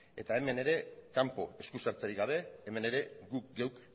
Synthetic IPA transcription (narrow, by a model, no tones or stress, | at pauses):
e̞t̪ae̞me̞ne̞ɾe̞kampo̞e̞skusaɾt͡saɾiɣɡaβ̞e̞ːme̞ne̞ɾe̞ɡuk̚ɡewk